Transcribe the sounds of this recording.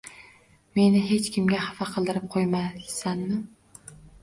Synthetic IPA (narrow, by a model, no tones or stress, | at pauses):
me̞nɪɦe̞t͡ʃkʲʰɪmɡʲahafaqʰɨlˠd̪ɪɾɪp̚qʰojmasanːɪ